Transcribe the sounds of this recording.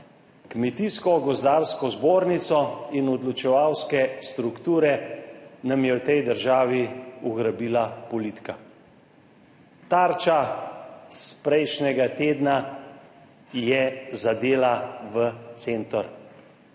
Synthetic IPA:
kmɛt̪iskɔɡɔzd̪aɾskɔzboːɾnit̪sɔinɔd̪lɔt͡ʃɛʋawskɛst̪ɾukt̪uːɾɛnamjɛwt̪ɛjd̪əɾʒaːʋiuɣɾabiːlapɔlit̪ka | t̪aɾt͡ʃa | spɾɛjʃnɛɡat̪eːd̪na | jɛzad̪eːlaʋət̪seːnt̪ɔɾ

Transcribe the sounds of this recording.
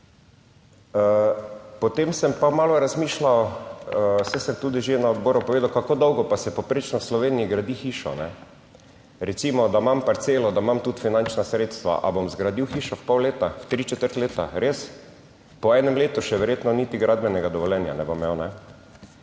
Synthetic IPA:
əpɔt̪emsɛmpamaːlɔɾazmiːʃlaw | sɛsɛɾt̪uːd̪iʒenaɔd̪bɔːɾʊpɔʋeːd̪awkakoːd̪ɔwɡɔpasɛpɔpɾeːt͡ʃnɔwslɔʋeːniiɡɾad̪ixiːʃɔ̰nɛ | ɾɛt̪simɔd̪amampaɾt̪seːlɔd̪amamt̪ut̪finant͡ʃnasɾeːt̪st̪ʋa̰ʔa̰bomzɡɾad̪iwxiːʃɔfpɔwleːt̪awt̪ɾit͡ʃɛt̪əɾt̪leːt̪aɾes | pɔɛːnɛmleːt̪uʃɛʋɛɾjeːt̪nɔnit̪iɡɾʔad̪bɛnɛɡad̪ɔʋɔlɛnja̰nɛbomɛwnɛ

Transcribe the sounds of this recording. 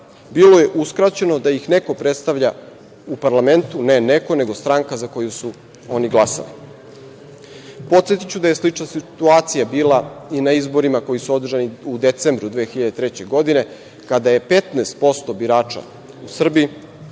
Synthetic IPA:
bilo̞je̞ʔuskɾat͡ɕe̞no̞d̪ajixneko̞pɾet̪st̪aʋʎa | upaɾlˠame̞nt̪une̞neko̞ne̞ɡo̞st̪ɾaŋkazako̞jusu | o̞niɡlˠasa̰li | po̞t̪set̪it͡ɕud̪aje̞slit͡ʃnasit̪uaːt̪sijabiːlˠainaizbo̞ɾimako̞jisuo̞d̪r̩ʒaniud̪e̞t̪sembɾud̪ʋeːxiʎad̪et̪ɾet͡ɕe̞ɡo̞d̪ine̞ | kad̪aje̞pe̞t̪neːst̪̚po̞st̪obiɾaːt͡ʃa̰ | usr̩bii

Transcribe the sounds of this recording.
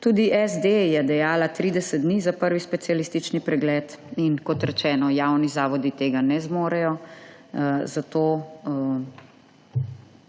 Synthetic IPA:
t̪uːd̪iʔɛzd̪ejɛd̪ɛjaːlat̪ɾiːd̪ɛsɛd̪̚d̪nizapəɾʋispɛt̪sijaliːst̪it͡ʃnipɾɛɡlɛːt̪inkɔt̪ɾɛt͡ʃɛːnɔjawnizaːʋɔd̪it̪eːɡanɛzmoːɾɛjɔ | zat̪oː

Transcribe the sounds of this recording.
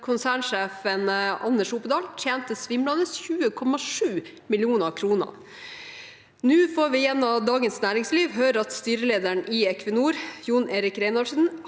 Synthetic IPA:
kʰʊnsæːɳʂeːfənʔɑnːəʂuːpəd̪ɑːlt̪ʰjeːnt̪əsʋɪmlɑnəsçʉːəkʰɔmɑʂʉː | mɪlɪuːnəkʰɾuːnə̰ | nʉːfoːɾʋɪjɛnːɑd̪ɑːɡənsnæːɾɪŋsliːʋɦøːɾəɾɑt̪st̪yːɾəleːd̪æɳʔɪɛkʰʋənuːɾjuːneːɾɪkɾeɪnɔʂn

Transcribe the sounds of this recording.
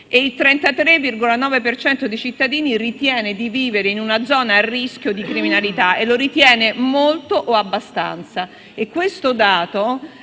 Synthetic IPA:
eilt̪ɾɛnt̪at̪ɾevːirɡolanɔːvepert͡ʃɛnt̪od̪ejt͡ʃit̪ːad̪iːnirit̪jɛːned̪iviːveɾeinunad̪zɔːnaːrːisk̟jod̪ikɾiminalit̪aʔelːoɾit̪jɛːnemolt̪oʔoabːast̪a̰nt̪sa | ekːwest̪od̪aːt̪o

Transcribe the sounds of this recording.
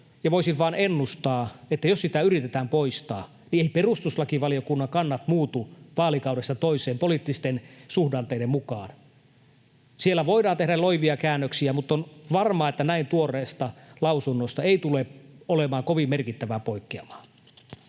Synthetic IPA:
jɑʋoisiʋʋɑːnenːust̪ɑːet̪ːæjossit̪æyrit̪et̪æːmpoist̪ɑ̰ː | nieiperust̪uslɑkiʋɑliokunːɑŋkɑnːɑt̪muːt̪uʋɑːlikɑuɾest̪ɑt̪oiseːmpoliˑt̪ːist̪ensuhdɑːnt̪eiɾemmukɑːn | sielːæʋoidɑːnt̪edæloiʋiɑkæːnːøksiæmut̪ːˑonʋɑrmɑːet̪ːænæint̪uorˑeːst̪ɑlɑusunːost̪ɑeit̪uleolemɑːŋkoʋimːerkit̪ːæʋæpoikːiɑmɑ̥ː

